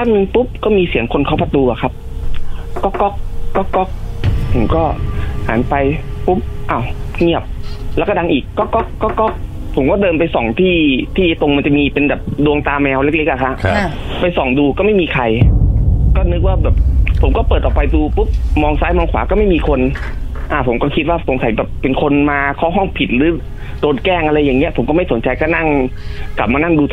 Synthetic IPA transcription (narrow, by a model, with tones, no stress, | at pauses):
baː˥˩nnɯ˧ŋpu˦˥p̚kɔː˥˩miː˧si˨˩˦əŋkʰo˧nkʰa˧˩pa˧t̪uː˧ʔa˨˩kʰa˦˥p̚ | kɔː˥˩kːɔ˦˥k̚kɔː˥˩kːɔ˦˥k̚pʰo˨˩˦mkɔː˥˩ha̰ː˩˦npa˧jpu˦˥p̚ʔaː˧˩wŋi˥˩əp̚lɛː˧˦˥wkɔː˥˩a˧ŋʔiː˨˩kːɔː˥˩kɔ˦˥kkːɔː˥˩kɔ˦˧˥k̚ | pʰo˨˩˦mkɔː˥˩dɤː˧mpa˧jsɔ˨˩ŋt̪ʰiː˥˩t̪ʰiː˥˩˦t̪o˧ŋma˧nt͡ɕa˨˩miː˧pe˧nbɛː˨˩p̚du˧əŋt̪aː˧mɛː˧wle˦˥k̚le˦˥k̚ʔa˨˩kʰa˦˥ʔ | pa˧jsɔ˨˩ŋduː˧kɔː˥˩ma˥˩jmiː˧kʰa˧j | kɔː˥˩nɯ˦˥k̚waː˥˩bɛː˨˩p̚pʰo˩˦mkɔː˥˩pɤː˨˩t̪ʔɔː˨˩pa˧jduː˧pu˦˥p̚mɔː˧ŋsaː˦˥jmɔː˧ŋkʰwaː˩˦kɔː˥˩ma˥˩jmiː˧kʰo˧n | ʔaː˧˩pʰo˩˦mkɔː˥˩kʰi˦˥t̪̚waː˥˩pʰo˩˦msa˨˦jbɛː˨˩pːe˧nkʰo˧nmaː˧kʰɔː˦˥˩ɦɔ˥˩ŋpʰi˨˩t̪̚ɾɯː˨˦ | doː˧tkɛː˥˩ŋʔa˧ɾa˧jːaː˨˩ŋːi˦˥ɐpʰo˩˦mkɔ˥˩ma˥˩jso˩˦nt͡ɕa˧jkɔː˥˩na˥˩ŋkla˨˩p̚maː˧na˥˩ŋduː˧